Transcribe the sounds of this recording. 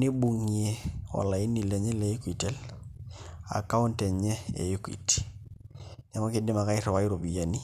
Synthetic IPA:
nɪ˦bu˨ŋi˨e˦wa̰˨la˨ɪ˦ni˨lɛ˨ɲɛ˦lɛ˨jɪ˦ku˦i˨tɛ˦l | a̰˨ka˦ʊ˦ntɛ˨ɲɛ˦ḛ˨jɪ˦kḭ˨ti̥ | nɛ˨mɔ˦kɪ˦dɪ˦ma˨ka˦ɪ˦ɾɔ˨wa˦ɪ˦ɾo˨bi˨ja˨ni˦

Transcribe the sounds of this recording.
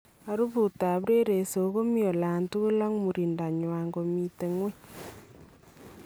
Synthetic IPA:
a˨ɾu˦βu˨ta˨βɾe˦ɾe˨so˨˦ɣo˦mjo˨la˨ntu˦ɣu˦la˦ŋmu˨ɾi˨nda˨ɲwa˨ŋɡo˨mi˨te˨ŋwe˦

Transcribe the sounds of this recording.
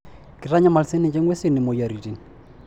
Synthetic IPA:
kɪ˨ra˦ɲa˦ma˨lse˦nɛ˨t͡ʃʼɛ˦ŋwɛ˦sɪ˦nɪ˨mo˨ja˨ɾi˨ti˨n

